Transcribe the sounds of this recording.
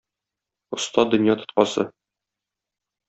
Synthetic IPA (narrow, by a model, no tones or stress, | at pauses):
ŏst̪ɑd̪ɵ̆njɑt̪ŏ̥t̪̚qɑsɤ̰